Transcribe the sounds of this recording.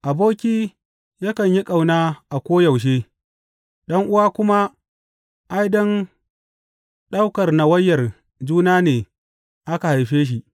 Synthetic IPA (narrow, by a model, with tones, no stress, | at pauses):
ʔa˨boː˦kʲiː˦ | jɐ˦kɐ˨ɲji˦kʼa˨wnaː˦ʔa˨kʷoː˦jɐ˨wʃ̬eː˦ | ɗɐ˦ŋʔʊ˦waː˦kʷʊ˦ma˦ | ʔa˦jdɔ˦n | ɗa˦wkɐ˨rna˨wɐ˦jːɐ˨r | d͡ʒuː˦naː˦neː˨ | ʔa˦ka˨ha˨jɸeː˦ʃ̬i˨ʔ